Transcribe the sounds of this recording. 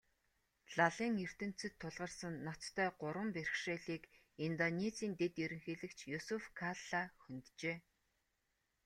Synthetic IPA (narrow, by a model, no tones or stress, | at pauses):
ɮ̥aɮiːŋer̥t̪ɘ̆n̥t͡sɘ̆t̪ʰːʊɮʁə̆rsə̆nːat͡st̪ʰœːɢʊɾwə̆mperxʃeːɮiːk | int̪ɔnet͡siːnt̪et̪jiɾɘ̆ŋxeːɮɘ̆kt͡ɕʰjusufkʰaɮaxɵnt̪t͡ɕeː